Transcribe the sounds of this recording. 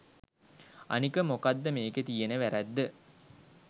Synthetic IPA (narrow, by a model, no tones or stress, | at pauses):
a̰nikəmokad̪ːəmeːkət̪ijenəʋæɾæd̪ːə